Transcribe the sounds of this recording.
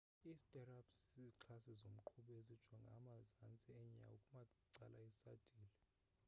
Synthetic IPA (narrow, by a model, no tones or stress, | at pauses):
iztʼɛrabszizǁʰasizom̩ǃʰuɓezid̥ʒ̥ʱwaŋɡʱa̰mazant͡sʼɛɛɲa̰ukʼumaǀalaisad̥ʱiːlɛ